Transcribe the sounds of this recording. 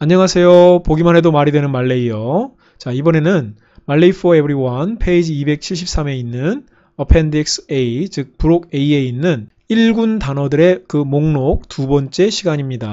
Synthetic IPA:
aɲːʌŋasʰe̞jopoɡimanɦe̞domaɾidwe̞nɯnmaɭːe̞ijo | t͡ɕaibʌne̞nɯn | maɭːeipʰʌebɯɾiwʌnpʰe̞id͡ʑiibe̞k̚t͡ɕʰiɭɕ̬ʰip̚s͈ame̞inːɯn | ʌpʰendik̚seit͡ɕɯk̚puɾoɡe̞ie̞inːɯn | iɭɡuntanʌdɯɾe̞kɯmoŋnok̚tubʌnt͡ɕ͈e̞ɕʰiɡaɲimɲida

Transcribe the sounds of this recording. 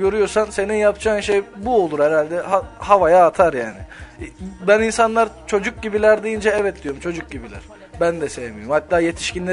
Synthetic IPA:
ɟø̞ɾyjoɾsanse̞ninjapd͡ʒaːnʃejbuo̞lˠuɾhɛɾalʲd̪ɛhahavajaːt̪ʰaɾja̰ːnɪ | bæninsanlˠaɾt͡ʃʰo̞d͡ʒuk̚ɟibilʲæɾd̪ijind͡ʒɛɛvɛt̪̚d̪ijoɾumt͡ʃʰo̞d͡ʒuk̚ɟibilʲæ̰ɾ̥ | bænd̪ɛsejemijoɾmhat̪ːaːje̞t̪ʰi̥ʃcinlʲe

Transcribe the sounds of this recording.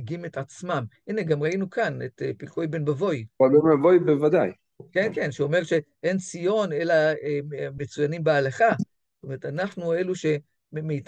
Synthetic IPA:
ɡime̞tat͡smamineɡamʁainukʰanetepilkojbe̞nbavo̞jvalbenbavo̞jbevad̪aj | kenke̞nʃeo̞meʁʃe̞ʔe̞nt͡sijo̞ne̞laeme̞t͡sujanimbealaχazotomeʁetanaχnue̞luʃe̞ | meit

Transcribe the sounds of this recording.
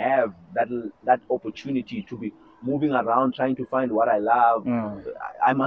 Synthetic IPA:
ɨvðɨtðɨtɔpɔ˞tʰunɨtitʰubi | muvɪ̃ŋəɹãʊ̃ndtʰɹ̥ajɪ̃ŋtufãɪ̃nd̚wɔɾaɪlʌv̰ | a̰ɪmʌ

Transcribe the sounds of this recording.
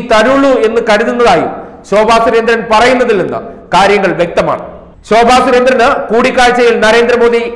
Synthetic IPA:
t̪ɐɾuɭːue̞nːɨkɐɾuðunːɐðaːjṵm | ɕoːbʱaːsuɾe̞nd̪ɾɐnpɐrɐjunːɐðilːenːɨ̰kaːɾjɐŋːɐɭʋje̞k̚t̪ɐma̰ːɳɨ | ɕo̞ːbʱaːsuɾe̞nd̪ɾɐnɨkuːɽikːaːɻt͡ɕːɐjilnɐɾe̞ːnd̪rɐmo̞ːd̪i

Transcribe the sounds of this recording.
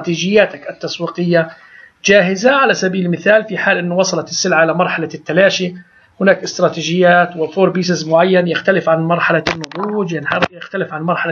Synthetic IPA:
t̪iːd͡ʒɪjːaːt̪akʔat̪ːɑswiːqɪjːa | d͡ʒaːɦɪzaʕalasabiːllmɪθaːlfiħaːlʔɪnːʊwɑsˤɑlɑt̪ɪsːɪlʕaʔɪlamɑɾˤħalat̪ːalaːʃi | hʊnaːkʔɪst̪ɾˤɑːt̪iːd͡ʒɪjːaːt̪wɪfoːɾˤbiːs̬ɪzmʊʕajːanjɪxt̪alɪfʕanmɑɾˤħalanːʊt̪ˤuːd͡ʒjɪnħɑɾˤjɪxt̪alɪfʕanmɑɾˤħala

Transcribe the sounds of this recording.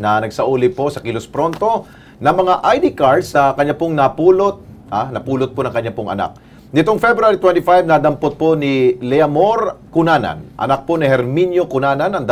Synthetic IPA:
nɐnɐɡ̚sɐʔuːlɪposɐkɪlospɾo̞nt̪o̞ | nɐŋmɐŋaʔajd̪ɪkaɹsɐkɐɲːapoŋnɐpuːlot̪̚anɐpuːlot̪̚ponɐŋkɐɲːapoŋʔɐ̰na̰k̚ | nɪt̪oŋfɛbɾʊaɾit̪wɛnt̪ɪfajb̚nad̪ɐmpot̪̚ponilɛɐmoɾkʊnaːnɐ̰nʔɐ̰nak̚ponihɛɾminjo̞kʊnaːnɐnɐŋd̪ɐ

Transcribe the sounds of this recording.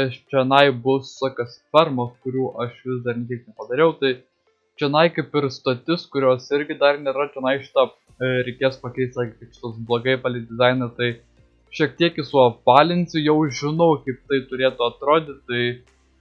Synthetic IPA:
ɐʃt͡ʃʲɛnɐɪbʊssoːkʲɐsfʲɛrmɐskʊɾʲuːʔɐʃʋʲɪsd̪ɐrnʲɛkʲiɛknʲɛpɐd̪ɐɾʲɛʊt̪ɐɪ | t͡ʃʲɛnɐɪkɐɪpɪɾst̪oːt̪ʲɪskʊɾʲoːsɪɾʲɡʲɪd̪ɐrnʲeːɾɐt̪ʲɛnɐɪʃʲɪ̥t̪ɐ | ɾʲɛɪkʲeːspɐkʲɛɪsʲt̪sɑːkʲikɪpʃʲɪ̥t̪osblˠoɡɐɪpɑːlʲɪd̪ʲɪzɑɪnɐt̪ɐɪ | ʃʲiɛk̚t̪ʲiɛkɪsuɔpɑːlʲɪnʲsʲʊjɛʊʒʲɪnɐʊkɐɪp̚t̪ɐɪt̪ʊɾʲeːt̪ʊɐt̪ɾoːd̪ʲɪt̪ɐɪ

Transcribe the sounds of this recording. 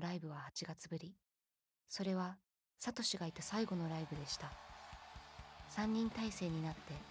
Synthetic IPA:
ɾaibɯ̟β̞ahat͡ɕiɡat͡sɨbɯ̟ɾʲi | so̞ɾe̞βa | sat̪o̞ɕiɡait̪asaiɡo̞no̞ɾaibɯ̟d̪e̞ɕi̥t̪a | sãɲ̟ːĩnt̪aise̞ːɲ̟inat̪ːe̞

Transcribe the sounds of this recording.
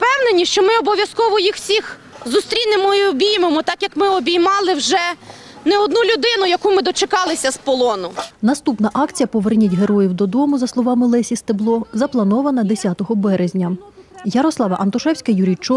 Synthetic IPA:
pɛwnenʲiʃt͡ʃɔmɪɔbɔʋʲjɐskɔʋɔjixwsʲix | zʊst̪ɾʲinemɔiɔbʲijmemɔt̪ɑkjɐkmɪɔbʲijmɑlˠɪwʒɛ | nɛɔd̪nulʲʊd̪ɪnʊjɐkumɪd̪ɔt͡ʃekɑlˠɪsʲɐspɔlˠɔnʊnɐst̪upnɐʔɑkt͡sʲijɐpɔʋernʲitʲɦe̞ɾɔjiwd̪ɔd̪ɔmʊzɐslˠɔʋɑmɪlˠɛsʲist̪eblˠɔzɐplˠɐnɔʋɐnɐd̪esʲat̪ɔɦɔbɛɾezʲnʲɐjɐɾɔslˠɑʋɐʔɐnt̪ʊʃɛwsʲkɐjuɾʲit͡ʃɔ

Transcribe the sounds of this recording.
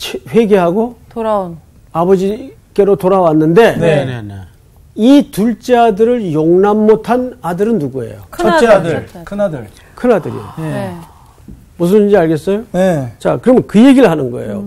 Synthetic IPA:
t͡ɕʰɸwe̞ɡe̞ɦaɡotoɾa | abʌd͡ʑi | k͈e̞ɾotoɾawanːɯnde̞nen | ituɭt͡ɕ͈eadɯɾɯɭjoŋnamːotʰanadɯɾɯnːuɡue̞̰jo̰kʰt͡ɕadɯkʰɯnadɯɭ | kʰɯnɦadɯɾḭjo̰ | mus̬ʰɯnid͡ʑiaɭɡe̞s͈ʌjonet͡ɕa̰kɯɾʌmɯnkɯje̞ɡiɭɦanɯnɡʌe̞̰jo̰

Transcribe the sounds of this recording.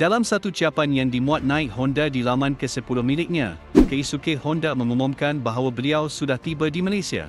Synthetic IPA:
d̥alamsat̪ut͡ʃiapanjaŋdimũat̪̚nãɪk̚hɔndadilamãnkəsəpulʊhmĩlɪk̚ɲã̰ | kəisukehɔndamə̃məmɔ̃mkanbaɦawabəliawsudaht̪ibədimalesia̰

